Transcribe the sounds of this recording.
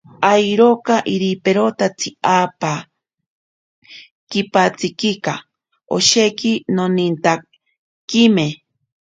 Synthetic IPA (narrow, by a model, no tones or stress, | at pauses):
ajɾokaʔiɾipeɾot̪at͡sʰiaːpa | kipat͡sikika | o̰ʃekinonint̪a | kime